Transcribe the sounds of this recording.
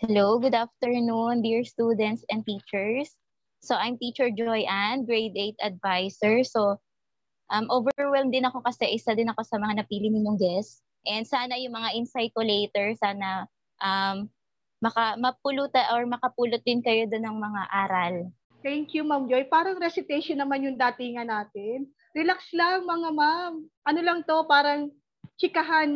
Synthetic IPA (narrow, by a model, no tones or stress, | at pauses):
hɛlowɡʊd̪aft̪ɛɹnund̪iɹst̪uːd̪ɛnt̪sʔɛ̃n̚t̪iːt͡ʃɛɹsː | oʔajmt̪iːt͡ʃɛɹd͡ʒojʔanɡɹɛjd̪ejt̪ɐd̪̚vajsɛɹso | ʔɐmʔoːvɛɛɹwɛlmd̪ɪnɐko̞kɐsɛʔɪsad̪ɪnɐko̞sɐmɐŋanɐpiːlɪnɪɲjoŋɡ̪ɛs | ʔɛnd̪saːnɐjʊŋmɐŋaʔɪnsajkʊlejt̪ɛɹsaːnɐ | ʔɐmː | ɐkɐmɐp̚ulut̪ɐʔoɹmɐkɐpuːlot̪̚d̪ɪnkɐjo̞d̪onːɐŋmɐŋaʔaːɾɐl | t̪ɛŋkjumamd͡ʒojpaːɾɐŋɾɛsɪt̪ɛjʃonːɐmanjʊŋd̪aːt̪ɪŋanaːt̪ɪn | ɾɛlakslaŋmɐŋamamʔɐnolɐŋt̪o̞paːɾɐŋ | t͡ʃɪkɐɦan